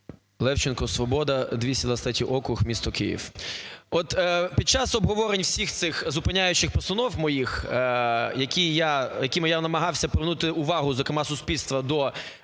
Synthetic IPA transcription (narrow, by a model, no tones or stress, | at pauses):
lˠɛwt͡ʃɪnkɔsʋɔbɔd̪ɐd̪ʲʋʲisʲɐd̪ʋɐst̪atʲiʔɔkʊxmʲist̪ɔkɪjḭwɔt̪ːpʲid̪̚t͡ʃɑsɔbɦɔʋɔɾenʲwsʲixt̪sɪxzʊpɪnʲajʊt͡ʃɪxpɔst̪ɐnɔwmɔjix | jɐkʲijajɐkʲimɪjanɐmɐɦɑwsʲɐpɾɪʋnut̪ɪʊʋɑɦʊzɔkɾeɪmɑsʊspʲilʲst̪ʋɐd̪ɔ